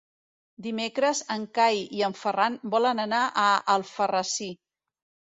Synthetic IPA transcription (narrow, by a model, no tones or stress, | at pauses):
d̪imekɾəzəŋkajiəɱfəranbɔlənənaʔəəlˠfərəsi